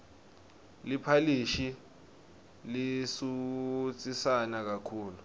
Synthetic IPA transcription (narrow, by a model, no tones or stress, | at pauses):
lipʰaliʃi | lisut͡sʼisanak̬akʰuːlu